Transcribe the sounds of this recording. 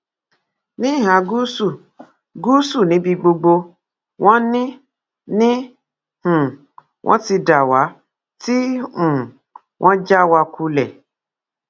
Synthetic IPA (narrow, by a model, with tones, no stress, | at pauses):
nĩ˦˨ɦã˨˦ɡu˦su˦˨ | ɡu˦su˦˨nĩ˨˦bi˧ɡ͡bo˧ɡ͡bo˧ | w̃ɔ̃˦nĩ˦ | nĩ˦ | hũ˨ | wʔɔ̰̃˦ti˧da˨wa˨˦ | ti˦ũ˨ | wʔɔ̃˦d͡ʒa˦wa˧ku˧lɛ˨